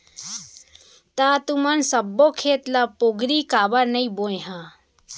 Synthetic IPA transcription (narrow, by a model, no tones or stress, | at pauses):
t̪at̪umənsɐbːokʰeːt̪lapoɡɾiːkaːbəɾnəĩbojɦa